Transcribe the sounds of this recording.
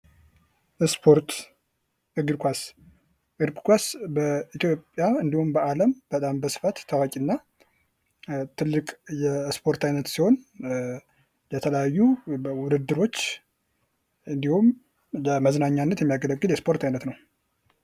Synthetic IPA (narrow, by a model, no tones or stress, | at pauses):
ɨspʰoɾt̪ | ɨɡɨɾkʷas | ʔɨɾbkʷasbəit̪ʰjo̞pʼjaɨnd̪ihumbəʔaləmb̥ət̪ʼambəsɨ̥fat̪ʰːəwakʼinːa | t̪ʰɨlːɨkʼjɛspʰo̞ɾt̪ʰajnət̪siho̞n | jɛt̪ʰələjajːuwʊd̪ɨd̪ːɨɾo̞t͡ʃː | ɨnd̪ihum | ləməznaɲːanːət̪jɛmːijaɡələɡːɨljɛspʰo̞ɾt̪ʰajnət̪nəw